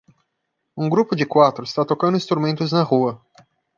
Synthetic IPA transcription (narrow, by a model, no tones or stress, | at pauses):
ũɡɾupʊd͡ʒɪkwat̪ɾʊɪst̪at̪okɐ̃nʊĩst̪ɾumẽnt̪ʊznɐhuɐ